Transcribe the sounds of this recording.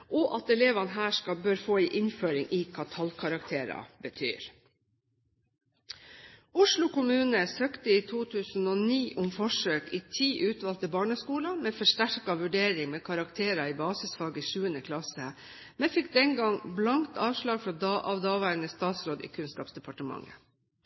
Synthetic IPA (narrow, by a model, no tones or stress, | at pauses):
ʔɔʔɑt̪ɛleːʋɑnɦæːʂkɑbøːɾfoːiːʔɪnføːɾɪŋʔɪːkʰɑːt̪ʰɑlkʰɑɾɑk̚t̪ʰeːɾɑ̰bət̪ʰy̰ːɾ | ʊʂlʊkʊmʉːnəsøːkt̪əiːt̪ʰuːt̪ʰʉːsn̩oːniːʔʊmfɔʂøːkiːt̪ʰiːʔʉːt̪ʋɑlt̪əbɑːɳəskuːlɑmeːfɔʂtæɾkɑʋʉɖeːɾɪŋmeːkʰɑɾɑkt̪ʰeːɾɑiːbɑːsɪsfɑːɡəʃʉːənəkʰlɑsə | mɛfɪk̚d̪ɛnɡɑŋblɑŋt̪ʰɑːʋʂlɑːɡfɾɑːd̪ɑʔɑʋd̪ɑːʋæːɾnəst̪ɑːt̪sɾoːd̪ḭːkʰʉnskɑːpsd̪ɛpʰɑʈəmɑ̰ŋːə̰